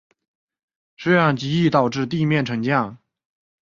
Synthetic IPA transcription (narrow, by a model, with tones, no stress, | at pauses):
ʂ̩˥jɑ˥˩ŋt͡ɕi˧˥i˥˩t̪ɑ˨˩ʊʈ͡ʂɻ̩˥˧t̪i˥˧mjɛ˥˩nʈ͡ʂʰɤ˧˥ŋt͡ɕjɑ˥˩ŋ